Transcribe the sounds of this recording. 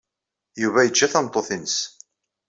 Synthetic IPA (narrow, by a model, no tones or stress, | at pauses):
juvæjət͡ʃːæθɑnt̪ˤːoθinəs